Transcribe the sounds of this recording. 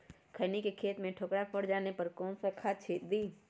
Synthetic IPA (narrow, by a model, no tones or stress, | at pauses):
kʰənikekʰeːt̪mẽʈʰoːkɽapəɽd͡ʒaːnepɐɾkɔːnsakʰaːt̪̚t͡ʃʰeːt̪̚d̪iː